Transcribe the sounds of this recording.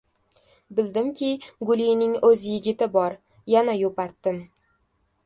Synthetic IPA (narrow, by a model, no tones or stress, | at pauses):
bɪld̪ɪmkʲʰɪɡʊlijnɪŋɵzjɪɡʲɪt̪ɪbɒɾ | janajopat̪ːɪm